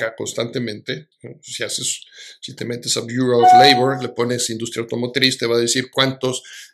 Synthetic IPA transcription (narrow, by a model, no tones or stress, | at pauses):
ako̞nst̪ant̪e̞mẽnt̪e̞ | osiasesːit̪e̞me̞t̪e̞sabjuɾolejβoɾle̞po̞nesind̪ust̪ɾjawt̪o̞mo̞t̪eɾist̪eβaðesiɾkwant̪o̞s